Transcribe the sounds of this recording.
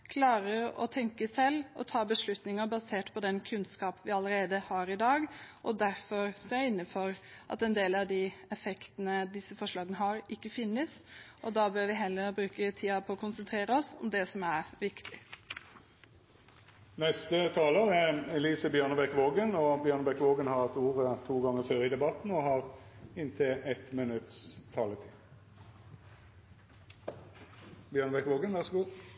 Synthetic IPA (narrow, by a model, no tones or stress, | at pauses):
kʰlɑːɾəɾɔ̰t̪ʰɛŋkəsɛlːɔ̰t̪ʰɑːbəʂɭʉt̪nɪŋəbɑseːʈpʰɔd̪ɛnkʰʉnskɑːpʋɪɑləɾeːd̪əhɑːɾɪd̪ɑːɡʔɔd̪æɾfɔɾskɑjæɪnːəfɔɾʔɑ̰t̪ɛnd̪eːlɑʋd̪ɪɛfɛkt̪ənəd̪ɪsːəfɔʂɭɑːɡənəɦɑɾɪkːəfɪnːəsʔɔd̪ɑːbøːɾʋɪɦɛlːəɾbɾʉːkət̪ʰiːɑpʰɔɔkʰʊnsənt̪ʰɾeːɾəɔsɔmd̪ɛsɔmæɾʋɪkt̪ʰɪ | nɛst̪ət̪ʰɑːloːʁɛɛliːsəbjœʁnəbɛkʋoːɡənɔbjœʁnəbɛkʋoːɡənhɑʁɛt̪uːʁət̪ʰuːɡɑŋːəføːʁɪd̪ɛbɑt̪n̩ɔhɑʁɪnt̪ʰɪlɛt̪mɪnʉt̪st̪ʰɑːlət̪ʰiː | bjœːʁnəbɛkʋoːɡənʋæʁsɔɡuː